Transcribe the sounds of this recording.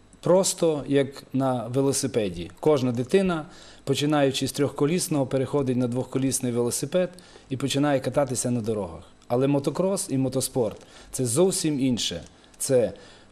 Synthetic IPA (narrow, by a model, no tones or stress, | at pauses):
pɾɔst̪ɔjɐknɐʋelˠɔsɪpɛdʲikɔʒnɐd̪ɪt̪ɪnɐ | pɔt͡ʃɪnɑjʊt͡ʃɪsʲt̪ɾʲɔxkɔlʲisnɔɦɔpeɾexɔd̪ɪtʲnɐd̪ʋɔxkɔlʲisnɪjʋelˠɔsɪpɛd̪ | ipɔt͡ʃɪnɑjɛkɐt̪ɑt̪ɪsʲɐnɐd̪ɔɾɔɦɐx | ɐlˠɛmɔt̪ɔkɾɔsimɔt̪ɔspɔrt̪t̪sɛzɔwsʲiminʃɛ̰ | t̪sɛ